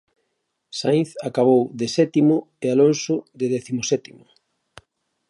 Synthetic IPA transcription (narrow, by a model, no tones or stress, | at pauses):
sajnθakaβ̞owðɪsɛt̪imʊ | ealonsʊðɪðɛθimosɛt̪imʊ